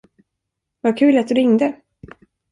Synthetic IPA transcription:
vaɾkʰʉ̟ːlat̪̚d̪ɵɾɪŋd̪ə

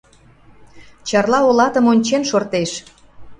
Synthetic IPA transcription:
t͡ɕɑrlɑolɑt̪əmonʲt͡ɕenʃort̪eʃ

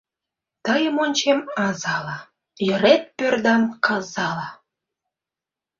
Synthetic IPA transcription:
t̪əjəmonʲt͡ɕemɑzɑlɑ | jə̆ɾet̪̚pørd̪ɑmkɑzɑlɑ

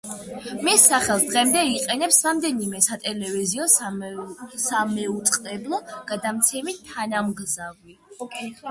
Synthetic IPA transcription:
misːaχɛlˠd̪ʁɛmd̪ɛiqʼɛnɛpsɾamd̪ɛnimɛsat̪ʼɛlɛviziɔ | samɛut̪sʼqʼɾɛblˠɔɡ̥ad̪amt̪sʰɛmit̪ʰːanamɡzavi

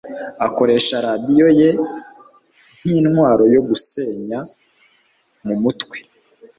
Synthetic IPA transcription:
ako̞ɾe̞ːʃaɾadijo̞je̞ | niːnhwaːɾo̞jo̞ɡuse̞ːɲa | mumutwe̥

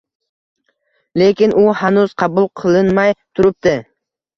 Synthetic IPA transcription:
le̞kʲɪnʊhanʊz̥qʰɑbʊlˠqʰɨlˠɪnmajt̪ʰʊɾɪp̚t̪ɪ

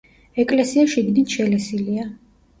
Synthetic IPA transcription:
ɛkʼlɛsiaʃiɡd̪it̪ʃɛlɛsilia

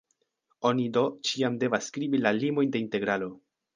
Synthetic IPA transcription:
o̞nido̞t͡ʃiamde̞vasːkɾibilalimo̞jnde̞inte̞ɡɾalo̞

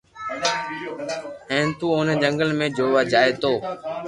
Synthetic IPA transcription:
ɛ̃ːnt̪uːoːned͡ʒə̃ŋɡəlmẽːd͡ʒoːʋaːd͡ʒaːeːt̪oː

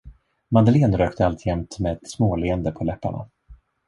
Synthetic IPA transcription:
mand̪əleːnɾøːkt̪əalt̪jɛmt̪met̪smoːleːənd̪əpʰɔlɛpːa̰ɳa̰

